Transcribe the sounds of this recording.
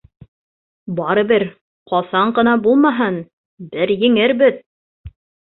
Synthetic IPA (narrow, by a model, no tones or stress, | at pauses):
bɑɾɤ̆bɘɾ | qɑsɑɴɢɤ̆nɑbulˠmɑɦɤn | bɘɾjɘ̆ŋɘɾbɘt̪̚